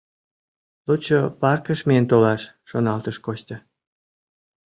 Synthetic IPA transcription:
lut͡ɕopɑrkəʃment̪olɑʃːonɑlt̪əʃkost̪ʲə

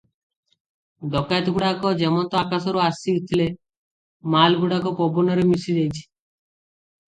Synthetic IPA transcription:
d̪ɔkajt̪ɔɡuɽakɔd͡ʒemɔnt̪ɔakasɔɾuasiut̪ʰile | malɡuɽakɔpɔbɔnɔɾemisid͡ʒejt͡ʃʰi̥

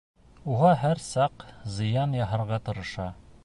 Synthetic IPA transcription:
uʁɑɦæɾsɑqzɤ̆jɑnjɑɦɤ̆ɾʁɑt̪ɤ̆ɾɤ̆ʃɑ

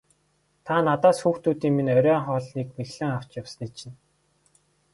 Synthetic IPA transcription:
t̪ʰanat̪aːsxuːxt̪ʰuːt̪iːŋminœɾʲœːŋχɔːɮniːkmeɣɮɘ̆ŋaw̥t͡ɕjawsnit͡ɕɪ̆n

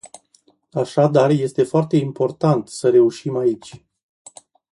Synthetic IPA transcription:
aʃad̪arje̞st̪e̞foart̪e̞impo̞rt̪ant̪səɾe̞uʃimait͡ʃʲ

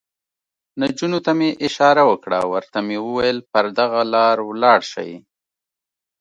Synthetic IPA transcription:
nad͡ʒunot̪ameʔɪʃɑɾawəkɽa̰wəɾt̪amewəwajəlpəɾd̪aɣalɑɾwlɑɽʃa̰j

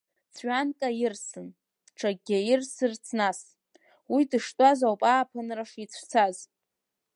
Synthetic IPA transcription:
t͡sʰɥʷᶣankʼajɪrsɨn | ʈ͡ʂʰaɡʲajɪrsɨrt͡sʰnas | widɨʂtʷʼazawpʼaːpʰɨnraʂit͡sʷʰt͡sʰaz

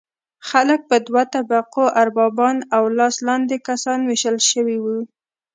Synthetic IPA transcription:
xalək̚pəd̪wat̪abaqoʔaɾbɑbɑnawlɑslɑnd̪ekasɑnwɪʃəlʃəwiwu

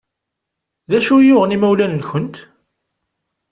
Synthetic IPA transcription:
ðæʃujʊʁnimæwlænlçənt̪

